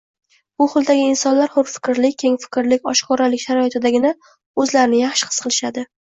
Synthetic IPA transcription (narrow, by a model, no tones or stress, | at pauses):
bʊχʊlˠd̪aɡʲɪɪnsɒnlaɾhʊɾfɪ̥kʲɾlɪk̚ʲkʲʰe̞ŋfɪ̥kʲɾlɪkʲɒʃqʰɒɾalɪkʲʃaɾɒɪt̪ʰɪd̪aɡʲɪna | ɵzlaɾɪnɪjaχʃqʰɨ̥sqʰɨlˠɪʃad̪ɪ